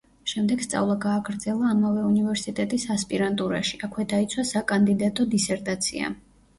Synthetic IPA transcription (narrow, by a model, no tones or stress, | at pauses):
ʃɛmd̪ɛɡst̪sʼa̰vlˠaɡaːɡɾd̪zɛlˠaːmavɛunivɛɾsit̪ʼɛt̪ʼisaspʼiɾant̪ʼuɾa̰ʃiakʰwɛd̪ait̪sʰwasakʼand̪id̪at̪ʼɔd̪isɛɾt̪ʼat̪sʰḭa̰